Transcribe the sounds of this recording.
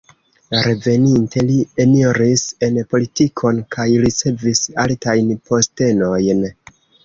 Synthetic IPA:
ɾe̞ve̞nintʰe̞lienioɾise̞npo̞litikʰo̞nkʰajɾit͡se̞visaltajnpo̞ste̞no̞jn

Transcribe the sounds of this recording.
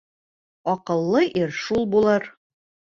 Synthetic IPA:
ɒqɤ̆lˠːɤʔiɾʃulˠbulˠɤɾ

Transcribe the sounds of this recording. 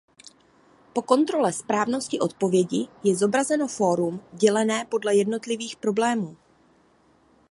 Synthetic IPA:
po̞ko̞nt̪ɾo̞lɛspɾaːvno̞scɪʔo̞t̪̚po̞vjɛɟɪjɛzo̞bɾazɛno̞fo̞ːɾumɟɛlɛnɛːpo̞dlɛjɛdno̞t̪lɪviːxpɾo̞blɛːmuː

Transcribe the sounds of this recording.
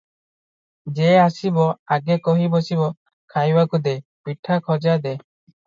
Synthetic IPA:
d͡ʒɛasibɔaɡɛkɔɦibɔsibɔ | kʰajwakud̪ɛpiʈʰakʰɔd͡ʒad̪ɛ

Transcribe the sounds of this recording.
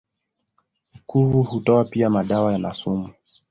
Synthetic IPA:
kʰuvuhutɔapiamaɗawajanasumu

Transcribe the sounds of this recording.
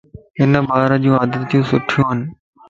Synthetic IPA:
ɪnəbaːɾəd͡ʑũːaːd̪ət̪jũːsʊʈʰijũːɦənɪ̆

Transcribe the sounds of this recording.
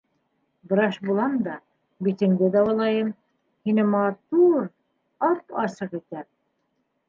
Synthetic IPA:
bɤ̆ɾɑʃbulˠɑmd̪ɑ | bit̪ɘ̆ŋd̪ɘd̪ɑwɤ̆lˠɑjɤm | hinɘmɑt̪uɾ | ɑpɑsɤqit̪æ

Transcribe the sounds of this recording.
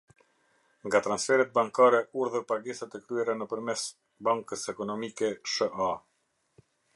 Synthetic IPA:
ŋɡat̪ɾansfɛɾɛt̪̚baŋkaɾɛuɾðəɾpaɡɛsat̪ɛkɾyɛɾɛnəpəɾmɛs | baŋkəsɛkɔnɔmikɛʃəʔa

